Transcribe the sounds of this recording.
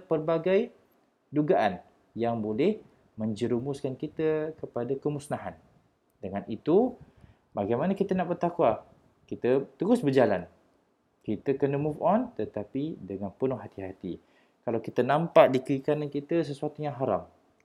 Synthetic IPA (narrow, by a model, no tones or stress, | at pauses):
pərbaɡaj | duɡaʔan | jaŋbolɛh | mə̃ɲd͡ʒəɾumʊskankit̪əkəpadakəmusnaɦan | dəŋanit̪u | baɡajmanakit̪ənaʔbərt̪akwa | kit̪ət̪əɾʊsbərd͡ʒala̰n | kit̪əkənəmufɔnt̪ət̪apidəŋanpənʊhɦat̪iɦat̪ḭ | kalawkit̪ənãmpaʔdikəikanankit̪əs̬əsuat̪ujaŋɦaɾa̰m